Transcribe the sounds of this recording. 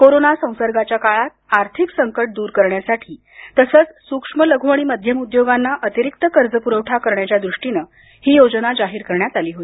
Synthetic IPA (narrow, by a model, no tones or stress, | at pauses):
koɾonasə̃w̃səɾɡat͡ɕjakaɭat̪̚aɾt̪ʰiksəŋkəʈ̚d̪uːɾkəɾɳjasaʈʰiː | t̪əsət͡ssukʂmələɡʱʋəɽ̃iːməd̪ʱjəmud̪joɡanːaʔət̪iɾik̚t̪əkəɾd͡zəpuɾəwʈʰakəɾɳjat͡ɕjad̪ɾuʂʈinə | hiːjod͡zənad͡zaɦiːɾkəɾɳjat̪aliːɦot̪i